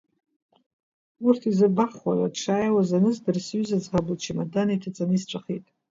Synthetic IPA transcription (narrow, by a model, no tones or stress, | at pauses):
urtʰizabaχwʷa̰ʕʷadʂaːjwazanɨzdɨrsɥyzad͡zʁablt͡ʃʰimadanitʰat͡sʼanist͡ʃʷʼaχitʼ